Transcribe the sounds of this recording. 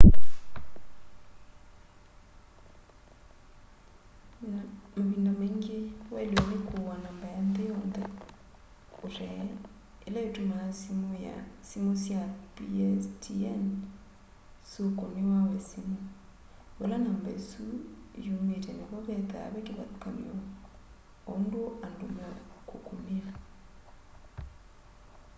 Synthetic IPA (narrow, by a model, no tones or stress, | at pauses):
mbindameŋɡewɛlenekʰowanambajandɛjɔndɛ | oɾɛ | elajetuma | simosjapiɛstʰiɛn | sokonewawɛsimo | wḛlanambaesujumetɛneβaβɛða̰βɛkeβa̰kamḭɔ | ondoʔandomakʰokomea